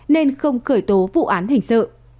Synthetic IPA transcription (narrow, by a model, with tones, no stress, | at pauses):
ne˧nxə˧wŋ͡mxəː˧˩jt̪o˨˦vṵ˧˨ʔaː˨˦nhï˧˩ŋ̟sə̰ː˧˨